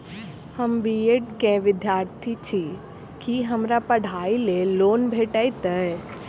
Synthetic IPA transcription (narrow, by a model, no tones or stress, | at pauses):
həmbieʈkẽʋɪd̪jaːɾt̪ʰit͡ʃʰi | kiɦəmɾapəɽ̤ʱaːileloːnbʱeːʈəjt̪əɛ